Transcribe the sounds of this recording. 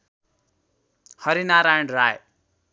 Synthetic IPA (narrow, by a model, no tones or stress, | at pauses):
hʌɾinaɾaɳɖraj